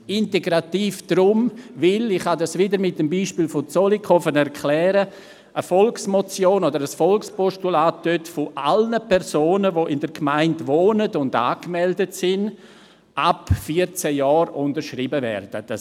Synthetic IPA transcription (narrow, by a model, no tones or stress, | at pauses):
ɪnteɡɾatiːfd̥ɾʊmvɪlɪχhadasʋɪdəɾmɪt̚dəmbiːʃpiːlfot͡solikʰɔfənɛɾkʰlɛːɾə | ʔəfɔlksmɔt͡sjoːnodəɾəsfɔlkspɔʃtulaːt̚d̥øtfoʔalnəpʰɛɾsoːnəʋoʔɪndəɾkmaɪntʋoːnədʊnda̰ːkmɛldətsɪn | ʔapfiət͡sɛjɔːɾʊndəɾʃribəvɛ̰rd̥əd̥a